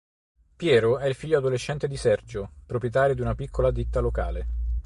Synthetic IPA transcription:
pjɛːɾoɛilfiʎːoad̪oleʃːɛnt̪ed̪isɛrd͡ʒopɾopɾjet̪aːɾjod̪iunapikʰːolad̪it̪ːaloka̰ːle

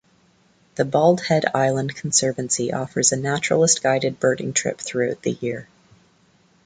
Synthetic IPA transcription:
ðɨbɔlˠd̥̚hɛɾa̰ɪlˠə̃nkʰn̩sɜ˞vɨ̃n̩siʔɔfə˞zɨnæt͡ʃɹ̥l̩ˠəsɡ̥aɪɾɨd̚bɜ˞ʔɪ̰̃ŋtʰɹ̥ɪ̰pθɹʉaʊt̪̚ðɨ̰jɪɹ

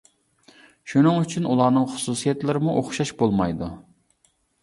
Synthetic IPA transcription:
ʃunɨŋyt͡ʃʰynulˠɑːnɨŋχʊ̥susijɛt̪lɪɾɪmuʔoχʃɑʃbolˠmɑjd̪u

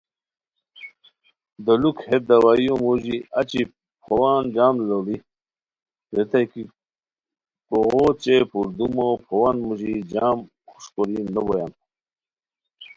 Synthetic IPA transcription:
d̪əlukhed̪ɐwajũmuʑiɐt͡ɕi | pʰowaːnd͡ʑaːmloli | ɾet̪aki | koɣot͡ɕepuɾd̪umopʰowanmuʑid͡ʑam | xu̥ʂkoɾinəbojan

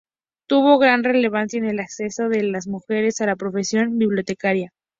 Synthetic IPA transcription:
t̪uβo̞ɣɾanre̞le̞β̞ansjaene̞lakse̞so̞ðe̞lazmuxe̞ɾe̞salapɾo̞fe̞sjo̞mbiβljo̞t̪e̞kaɾja

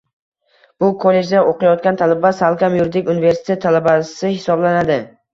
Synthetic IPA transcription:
b̥ʊkʰolːe̞d͡ʒd̪aʔoqʰɨjɒt̪kʲant̪ʰalabasalˠkʲamjʊɾd̪ɪkʲunɪve̞ɾsɪ̥t̪ʰet̪ʰːalabasɪhɪsɒblanad̪ɪ

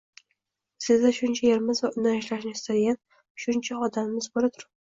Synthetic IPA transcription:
sɪzd̪aʃʊnt͡ʃʰajeɾmɪzvaʊnaɪʃlaʃnɪɪst̪ad̪ɪɡʲan | ʃʊnt͡ʃʰaɒd̪amːɪzbolat̪ʰʊɾap

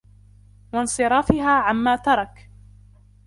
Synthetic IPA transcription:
wɑnsˤɨɾˤɑːfɪɦaːʕamːaːt̪ɑɾˤɑk

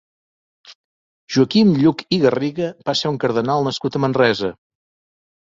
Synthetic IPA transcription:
ʒ̥uəkimʎukiɣəriɣəbaseuŋkəɾðənalˠnəskut̪əmənrɛzə

